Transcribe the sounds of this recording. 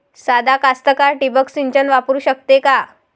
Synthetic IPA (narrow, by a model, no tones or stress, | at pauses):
sad̪akast̪əkaɾʈibəksiɲt͡ɕənʋapɾuːɕək̚t̪eka